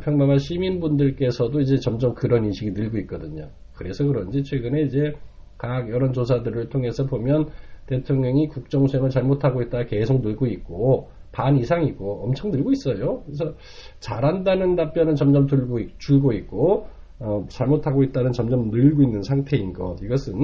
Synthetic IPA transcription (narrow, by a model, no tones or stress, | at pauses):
pʰjʌŋmaŋɦanɕʰiminbundɯɭk͈e̞sʰʌdoid͡ʑe̞t͡ɕʌmd͡ʑʌmkɯɾʌninɕʰiɡinɯɭɡoik̚k͈ʌdɯɲo | kɯɾe̞sʰʌkɯɾʌnd͡ʑit͡ɕʰwe̞ɡɯne̞id͡ʑe̞ | kaɡjʌɾʌnt͡ɕosʰadɯɾɯɭtʰoŋe̞sʰʌbomjʌnte̞tʰoŋɲʌŋikuk̚t͡ɕ͈ʌŋsʰweŋɯɭt͡ɕaɭmotʰaɡoit̚t͈ake̞sʰok̚nɯɭɡoik̚k͈o | panisʰaŋiɡoʌmt͡ɕʰʌŋnɯɭɡois͈ʌjokɯɾesʰʌ | t͡ɕaɾɦandanɯnːap͈̚jʌnɯnt͡ɕʌmd͡ʑʌmtuɭɡt͡ɕuɭɡoik̚k͈o | ʌt͡ɕaɭmotʰaɡoit̚t͈anɯnt͡ɕʌmd͡ʑʌmnɯɭɡoinːɯnsʰaŋtʰe̞inɡʌ̰tiɡʌsʰɯn